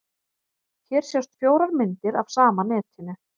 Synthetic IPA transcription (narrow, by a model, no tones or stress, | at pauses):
çɛːɾ̥sjɛwst̪fjoːwɾaɾmɪnt̪ɪɾavsaːmanɛːt̪hɪnːʏ